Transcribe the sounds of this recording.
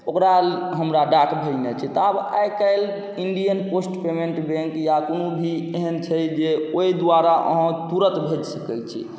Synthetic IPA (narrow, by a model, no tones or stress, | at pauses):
okɾaɦəmɾaɖaʈbʱəd͡ʒnet͡ʃʰɛt̪ɔaba̰jkəɪl | iɳɖijənposʈpemẽɳʈbẽŋkjakonobʱieɦənt͡ʃʰəd͡ʒeoid̪uaɾaʔə̰ɦə̃t̪uɾət̪bʱed͡ʒsəkəlt͡ʃʰḭ